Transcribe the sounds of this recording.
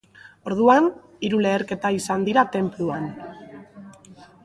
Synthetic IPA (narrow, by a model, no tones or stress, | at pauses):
o̞ɾðuan | iɾule̞ːɾke̞t̪aisand̪iɾat̪e̞mpluan